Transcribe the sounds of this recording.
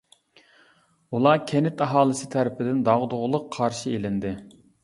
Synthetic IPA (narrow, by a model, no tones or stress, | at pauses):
ulˠɑkʲʰɛnɪt̪ɑɦɑːlˠɨsɪt̪ʰæɾɪpʰɪd̪ɪnd̪ɑʁd̪ʊʁʊlˠʊqʰːɑɾʃielɪnd̪ɪ